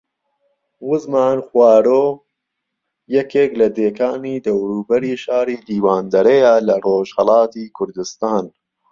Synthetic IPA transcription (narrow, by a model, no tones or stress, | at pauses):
wʊzmaːnxwaːɾoː | jɛkeːklɐd̪eːkaːniːd̪ɐwɾuːbɐɾiːʃaːɾiːd̪iːwaːnd̪ɐɾejalɐroːʒhɐlˠɑːt̪iːkʰʊɾd̪ɨst̪aːn